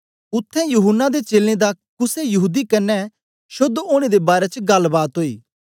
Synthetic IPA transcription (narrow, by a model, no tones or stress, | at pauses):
ʊt̪ʰːɛ̃jʊɦʊnːad̪et͡ʃeːlẽd̪akʊsejɐɦuːd̪ikɐnːɛ | ʃʊd̪oːɽ̃ed̪ebaːɾɛt͡ʃɡɐlbaːt̪ɦoːḭː